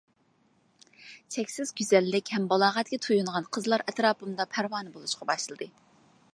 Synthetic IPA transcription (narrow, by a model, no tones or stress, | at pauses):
t͡ʃʰɛkʲsɪzɡʲyzɛlːɪkʲhɛmbɑlˠɑːʁɛt̪̚kʲɛt̪ʰujuɴʁɑnqʰəzlˠɑɾʔɛt̪ɾɑːpɨmd̪ɑpʰæɾwɑːnɨbolˠuʃqɑbɑʃlɨlˠɨd̪ɨ